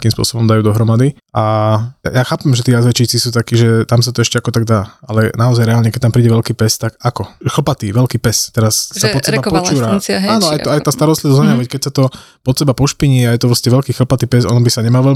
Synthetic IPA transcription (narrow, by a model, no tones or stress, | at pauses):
akiːmspʊɔ̰sɔbɔmd̪ajuːd̪ɔɦɾɔmad̪i | ʔajaːxaːpɛmʒɛt̪iːazʋɛt͡ʃiːt͡sisuːt̪akiːʒɛt̪amsat̪ɔɛʃcɛakɔt̪aɡ̚d̪aːalɛnaɔzajɾɛaːlɲɛkɛct̪ampɾiːɟɛʋɛʎkiːpɛst̪akakɔxl̩pat̪iːʋɛlkiːpɛst̪ɛɾasːapɔt̪sɛbapɔt͡ʃuːɾaaːnɔaj̪ɔajt̪aːst̪aɾɔst̪liʋɔzaɲɛʋɛckɛcsat̪ɔ | pɔt̪sɛbapɔʃpiɲiajɛt̪ɔpɾɔscɛʋɛʎkiːxl̩pat̪iːpɛsɔ̰nɔbisaɲɛmaːʋɛʎ